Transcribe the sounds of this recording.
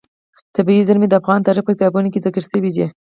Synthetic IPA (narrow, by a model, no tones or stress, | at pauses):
t̪abiizaɾmed̪əafɣɑnt̪ɑɾɪpəkɪt̪ɑbunokɪzɪkəɾsəwid̪i